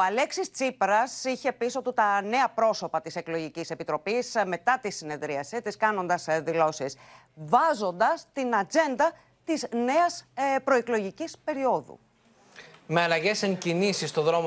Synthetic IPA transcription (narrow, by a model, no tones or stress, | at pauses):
oɐle̞ksist͡sipɾɐsiçe̞piso̞t̪ut̪ɐne̞ɐpɾo̞so̞pɐt̪ise̞klo̞ʝicise̞pit̪ɾo̞pisme̞t̪ɐt̪isine̞ðɾiɐsit̪iskɐno̞nd̪ɐsðilo̞sis | vɐzo̞nd̪ɐst̪inɐd͡ze̞nd̪ɐ | t̪izne̞ɐspɾo̞eklo̞ʝicispe̞ɾio̞ðṵ | me̞ɐlɐʝe̞seŋcinisist̪o̞ðɾo̞mo